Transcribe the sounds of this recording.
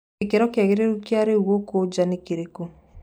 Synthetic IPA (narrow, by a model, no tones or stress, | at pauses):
ekɛɾɔkiaɣeɾeukiaɾeuɣokod͡ʒanikiɾeko